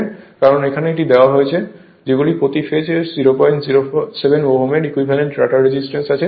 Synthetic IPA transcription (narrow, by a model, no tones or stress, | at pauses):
kaɾɔnekʰaneeʈid̪eoaɦojt͡ɕʰe | d͡ʑeɡulipɾot̪ifed͡ʑeziɾopɔjɳʈziosebʱenboɦumeɾikwibʱaleɳʈɾaʈaɾɾed͡ʑisʈɾensat͡ɕʰe